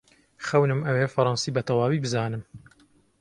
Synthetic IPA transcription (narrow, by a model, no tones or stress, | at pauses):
xɐwnɨmʔɐwefɐɾˤɑnsiːbɐt̪ʰɐwaːwiːbɨzaːnɨm